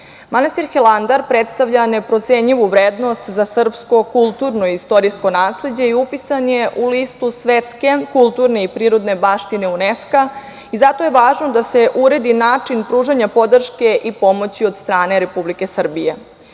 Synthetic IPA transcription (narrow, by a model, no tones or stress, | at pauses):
manast̪iɾxeland̪aɾpɾet̪st̪aʋʎane̞pɾo̞t̪seɲiʋuʋɾeːd̪no̞st̪zasr̩psko̞kulˠt̪uɾno̞iist̪o̞ɾisko̞naːsle̞d͡ʑe̞iupisanjeʔuliːst̪usʋe̞t̪ske̞kulˠt̪uɾne̞ipɾiːɾo̞d̪ne̞baːʃt̪ine̞uneska | izat̪o̞je̞ʋaːʒno̞d̪ase̞ʔuɾe̞d̪inaːt͡ʂinpɾuːʒaɲapo̞d̪r̩ʃke̞ʔipo̞mo̞t͡ɕio̞d̪st̪ɾaːne̞ɾe̞publike̞sr̩bije̞